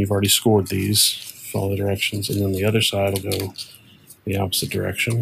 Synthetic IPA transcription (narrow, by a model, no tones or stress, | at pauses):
jʉvl̩ˠɹɛɾiskɔɹd̪̚ðiz̥fɔlˠðɨdə˞ɛkʃn̩zɨ̰̃nðə̃nðiʌðə˞saɪɾl̩ˠɡoʊ | ðiɑpəz̥ɨt̚d̥ə˞ɛ̰kʃɨ̃n